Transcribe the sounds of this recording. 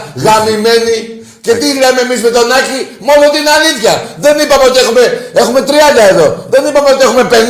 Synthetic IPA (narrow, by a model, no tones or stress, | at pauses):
ɣɐmime̞ni | ce̞t̪iɣlemeːmizme̞t̪o̞nɐcimo̞lont̪inaliθçɐðe̞nipɐmeo̞t̪ie̞xume̞e̞xume̞t̪ɾiɐnd̪ɐe̞ðo̞ðe̞nipɐmeo̞t̪iexume̞pe̞n